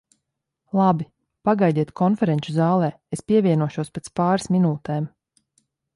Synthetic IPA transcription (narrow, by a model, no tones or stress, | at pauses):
lˠabi | paɡajd̪iɛt̪kʰɔnfɛɾɛnʲt͡ʃuzaːlˠɛː | espiɛvʲiɛnuɔʃuɔspet̪spaːɾasminuːt̪ɛːm